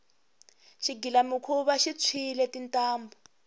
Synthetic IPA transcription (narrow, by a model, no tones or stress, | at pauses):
ʃiɡʱilamikʰuβaʃit͡sʰilɛtintʼaːmbɔ